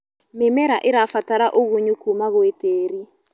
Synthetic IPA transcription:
memɛɾaʔeɾafataɾaʔoɣoɲukumaɣweteːɾi

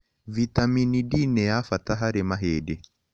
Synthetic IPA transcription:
vitaminidinɛafataɦaɾɛmaɦɛdɛ

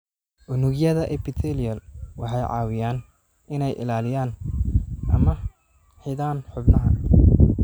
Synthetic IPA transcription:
ʔʊnʊɣjɐðɐʔɛpɪt̪ʰɛlijɐlwɑħɑjʕɑ̰ːwɪjaːn | ɪnɛjʔɪ̰laːlɪjaːn | ʔɐmɐ | ħɪðaːnħʊbnɐɦɐ̰

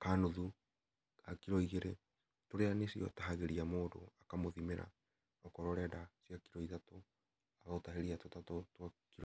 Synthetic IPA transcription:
kanoðu | akiɾɔiɣeɾe | toɾeanesiɔ̰taɦaɣeɾiamoːdo̰akamoðimeɾa̰ | ɔkɔɾɔɾɛdasjakiɾɔitato | aɣaotaɦeɾiatotatɔtwakiɾɔ

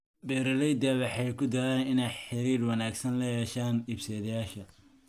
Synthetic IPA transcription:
bɛːɾɐlɛjd̪ɐwɑħɑjkʰʊd̪ɐɾɛːnɪnɛjħɪɾiːrwɑnaːɡsɐnlɐjɛːʃaːnɪbsɛːðɐjaːʃɐ

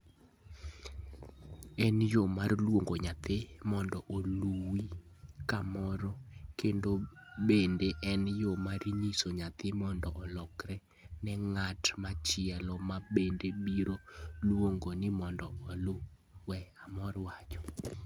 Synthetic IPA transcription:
ɛnjomarlwoŋɡoɲat̪ɪmɔndɔʔoluwi | kamɔɾɔkendobendeʔɛnjomarɲisoɲat̪ɪmɔndɔʔɔlɔkɾɛ | nɛŋatmat͡ʃɪɛlɔmabendebiɾolwoŋɡonɪmɔndɔɔlo | wɛamɔɾwat͡ʃɔ̥

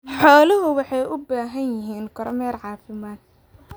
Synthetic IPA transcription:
ħɔːlɐɦʊwɑħɑjʊbaːɦɐnjɪɦiːnkʰɔɾmɛːrʕɑːfɪmaːd̪̚

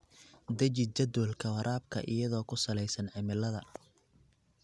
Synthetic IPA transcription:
d̪ɐt͡ʃɪd͡ʒɐd̪ɔlkʰɐwɐɾʔaːb̚kʰɐ̰ʔɪ̰jɐðɔːkʰʊsɐlɛjsɐnʕɪmɪlɐðɐ

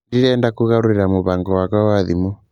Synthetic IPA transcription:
diɾɛːndakuɣaɾuɾiɾamoβaŋɡɔwakawaðimu

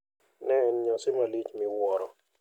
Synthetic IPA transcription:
nɛnɲɔsɪmalit͡ʃmɪwɔɾɔ

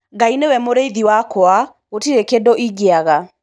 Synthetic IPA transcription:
ɡainewɛmoɾeiðiwakɔa | otiɾekedɔʔiɡeaɣa

